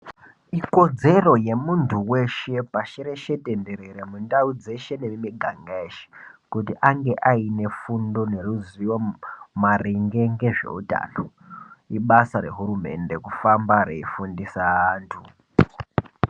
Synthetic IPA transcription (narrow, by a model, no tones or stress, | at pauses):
iko̞d͡ze̞ro̞je̞muntʰuwe̞ʃe̞paʃeɾe̞ʃe̞tende̞ɾeɾemundaud͡ze̞ʃe̞nemimiɡʱaŋɡaeʃe̥kutiʔaŋɡe̞ʔaine̞fundo̞ne̞ruziwomariŋɡeŋɡe̞ʐe̞̰uta̰no̞ | iɓasaɾe̞̰ɦuɾume̞̰nde̞kufambarḛifundisaːntʰu